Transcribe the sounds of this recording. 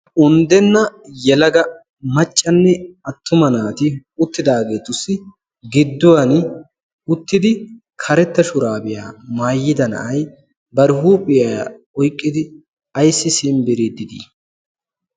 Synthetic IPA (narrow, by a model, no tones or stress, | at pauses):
ʔʊnd̪ɛnːɐjɛlɐɡɐ | mɐt͡ʃʼːɐnːɛɐt̪ːʊmɐnaːt̪ɪʊt̪ːɪd̪aːɡe̞ːt̪ʊsːɪ | ɡɪd̪ːʊwɐn | ʊt̪ːɪd̪ɪ | kʰɐɾɛt̪ːɐʃʊɾaːbɪjaːmaːjːɪd̪ɐnɐ̰ʔɐj | bɐɾɪhuːpʼɪjaː | ɔjkʼːɪd̪ɪ | ɐjsːɪsɪnbɪɾed̪ːɪd̪ḭː